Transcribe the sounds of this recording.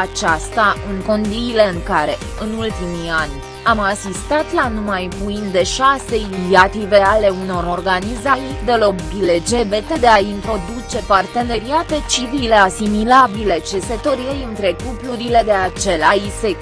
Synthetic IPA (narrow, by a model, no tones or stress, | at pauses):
at͡ʃast̪aɨŋko̞nd̪ile̞ɨŋkaɾe̞ | ɨnult̪imianʲ | amasist̪at̪lanumajpuind̪e̞ʃase̞inisiat̪ive̞ale̞uno̞ɾo̞rɡanizajd̪e̞lo̞bile̞d͡ʒe̞ve̞t̪e̞d̪e̞aint̪ɾo̞d̪ut͡ʃe̞part̪e̞ne̞ɾiat̪e̞t͡ʃivile̞asimilabile̞t͡ʃe̞se̞t̪oɾiejɨnt̪ɾe̞kupluɾile̞d̪e̞at͡ʃe̞laise